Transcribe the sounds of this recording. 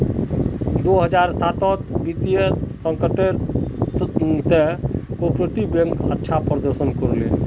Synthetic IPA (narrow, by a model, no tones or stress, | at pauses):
d̪oɦəd͡ʒaɾsat̪ɔt̪bit̪ijəsəŋkəʈe | t̪ekopɾeʈibẽŋkətːʃʰapɾəd̪əɾsənkɔɾlḛ